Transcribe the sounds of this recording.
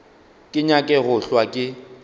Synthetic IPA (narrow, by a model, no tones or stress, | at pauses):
kʼɪɲakʼɛɣʊɬwakʼɪ